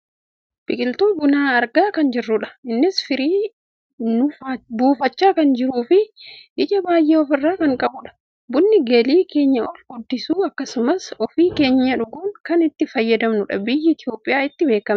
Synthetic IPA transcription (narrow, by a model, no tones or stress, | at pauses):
b̥ɪkʼɪlt̪oːbʊnaːɐɾɡaːkɐnd͡ʒɪrːʊᶑɐ̥ɪnːɪsfɪɾiː | nʊbuːfɐt͡ʃːaːkɐnd͡ʒɪɾuːfɪɪd͡ʒɐbaːjːeːɔfɪrːaːkɐŋkʼɐbʊᶑɐ̥ | bʊnːɪɡɐliːke̞ːɲːɐɔlɡʊd̪ːɪsuːɐkːɐsʊmɐsɔfiːke̞ːɲːɐᶑʊɡuːŋkɐnɪt̪ːɪfɐjːɐd̪ɐmnʊᶑɐ̰bɪjːɪɪt̪ɪjo̞ːpʼːɪjaːɪt̪ːɪbe̞ːkːɐm